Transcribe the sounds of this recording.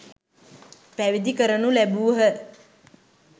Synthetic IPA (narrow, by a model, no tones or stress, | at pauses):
pæʋid̪ikəɾənulæbuːɦə